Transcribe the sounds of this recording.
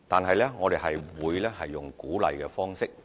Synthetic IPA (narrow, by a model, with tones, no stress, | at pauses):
t̪aː˨˩nɦɐ˨jlɛː˥ŋɔː˨˧d̪e˨jɦɐ˨jwuː˨˧jlɛː˥hɐ˨jːʊ˨˩ŋkuː˨˥lɐ̰˨˧jkɛː˧fɔː˥ŋsɪ˥k̚